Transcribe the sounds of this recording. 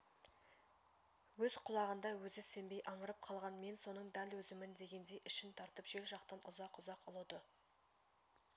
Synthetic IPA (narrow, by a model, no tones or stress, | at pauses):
wɵzqʰʊlˠɑʁənd̪ɑwɵzɪse̞mbe̞jʔɑɴəɾəp̚qʰɑlˠʁɑnme̞nso̞nəɴd̪ælwɵzɪmɪnd̪e̞ɡʲe̞nd̪ejʔɪʃɪnt̪ʰɑɾt̪əpʒ̥e̞lʒɑqt̪ɑnʔʊzɑqʊzɑqʊlˠud̪ə